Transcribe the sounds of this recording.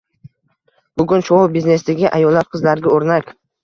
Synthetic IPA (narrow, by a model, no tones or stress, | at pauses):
b̥ʊɡʲʊnʃɒɔbizne̞sd̪aɡʲɪʔajɒlːat̪̚qʰɨzlaɾɡʲaoɾnakʲ